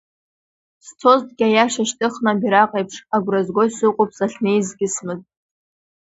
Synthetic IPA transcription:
st͡sʰo̞ztɡʲajaʂaʃtʰʼɨχnabiɾaqʼejpʰʂaɡʷrazɡʷo̞jsɨqʼop̚ʰʼz̥aɬnejzɡʲɪsmɨzʼ

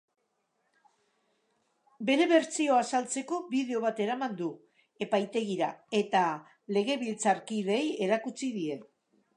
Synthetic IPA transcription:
be̞ɾe̞βe̞ɾt͡sio̞asalt͡se̞ko̞βiðe̞o̞β̞at̪e̞ɾamand̪u | e̞pajt̪e̞ɣiɾae̞t̪a | le̞ɣ̞e̞βilt͡saɾkiðe̞je̞ɾakut͡siðie̞

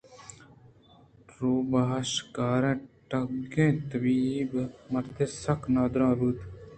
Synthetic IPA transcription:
ɾoːbaʃkaːɾẽːʈɐɡẽːt̪əbiːbmɐɾt̪eːsɐknaːd̪ɾãːɾuːt̪

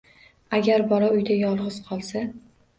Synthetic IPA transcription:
aɡʲaɾbɒɾaʊjd̪ajɒlˠʁɨz̥qʰɒlˠsa

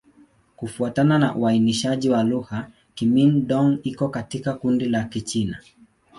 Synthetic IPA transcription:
kufuatananaʔuainiʃaʄiwaluha | kiminɗɔŋikɔkatikakundilakit͡ʃina̰

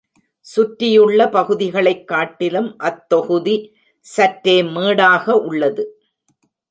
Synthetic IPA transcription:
sʊʈɾɪjɯɭːɐpɐɣɯðɪɣɐɭɐɪkːaːʈːɪlɯmʔɐt̪ːɔɣɯði | sɐʈɾeːmeːɽaːɣɐʔʊɭːɐðɯ

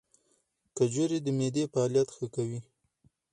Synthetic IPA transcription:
kad͡ʒoɾed̪əmed̪efaːljat̪xəkawi

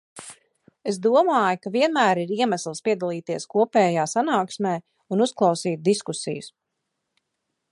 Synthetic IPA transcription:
es̬d̪uɔmaːjukaviɛnmæːɾiɾiɛmæslˠspiɛd̪alˠiːt̪iɛskuɔpɛːjaːsanaːksmɛː | unusklˠɑwsiːt̪̚d̪iskusḭjus

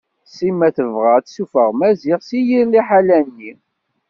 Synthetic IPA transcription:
simːæθəvʁæt̪sufəʁmæziʁsijiɾliħalænːi

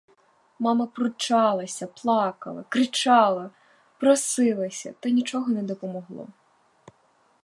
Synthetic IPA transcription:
mɑmɐpɾʊt͡ʃɑlˠɐsʲɐplˠɑkɐ̰lˠɐ̰kɾɪt͡ʃɑlˠɐ | pɾɔsɪlˠɐsʲɐ̰t̪ɐnʲit͡ʃɔɦɔnɛd̪ɔpɔmɔɦlˠɔ̰

